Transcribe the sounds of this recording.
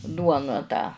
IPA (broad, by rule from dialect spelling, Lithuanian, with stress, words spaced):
ˈduɔnɐ tɑː